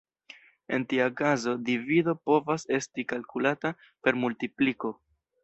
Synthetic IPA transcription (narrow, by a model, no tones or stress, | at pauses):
e̞̰ntiakazo̞divido̞po̞vase̞stikalkulata | pe̞ɾmultipliko̞